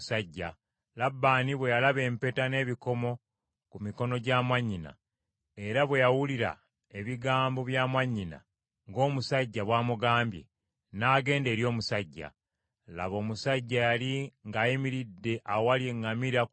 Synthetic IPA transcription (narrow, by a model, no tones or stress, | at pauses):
saɟːa | labːaːniβwe̞jalaβe̞ːmpe̞tane̞ːβiko̞mo̞ | kumiko̞no̞ɟamaɲːina̰ | e̞ɾaβwe̞jawuliɾa̰ | e̞βiɡaːmbo̞βjaːmaɲːina̰ | ŋɡo̞ːmusaɟːaβwaːmuɡaːmbje̞̰ | naːɡe̞ːnde̞ːɾjo̞ːmusaɟːa̰ | la̰βo̞ːmusaɟːajaliŋɡaːjimiɾidːe̞ʔaowaljeŋːamiɾa